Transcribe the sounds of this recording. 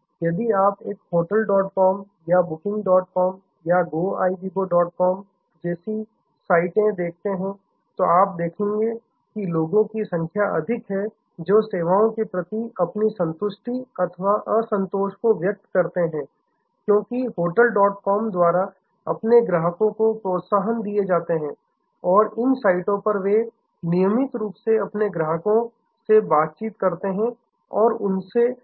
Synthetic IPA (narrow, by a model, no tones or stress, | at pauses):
jɐd̪iaːpeːkɦoːʈəlɖɔːʈ̚kɔːm | jabʊkɪ̃ŋɡɖɔːʈ̚kɔːm | jaɡoːaːibiboɖɔːʈ̚kɔːm | d͡ʒɛːsi | saːɪʈẽd̪eːk̚ʰt̪eɦɛ̃ | t̪oʔaːp̚d̪eːkʰẽːŋɡe | kiloːɡõkisɐ̃ŋkʰjaʔɐ̰d̪ʱɪkɦɛ | d͡ʒoːseːʋaːõkepɾɐt̪iɐpnisɐ̃nt̪ʊʃʈiɐt̪ʰʋaʔəsɐ̃nt̪oːʃkoʋjək̚t̪kɐɾt̪eɦɛ̃ː | kjõːkiɦoːʈəlɖɔːʈ̚kɔːmd̪waːɾa | ɐ̰pneɡɾəɦəkõkopɾoːt̪saːɦənd̪ied͡ʒaːt̪eɦɛ̃ː | ɔːɾɪnsaːɪʈõpɐɾʋe | nijəmɪt̪ɾuːpseɐpneɡɾəɦəkõ | sebaːt̪̚t͡ʃiːt̪kɐɾt̪eɦɛ̃ | ɔːɾʊnse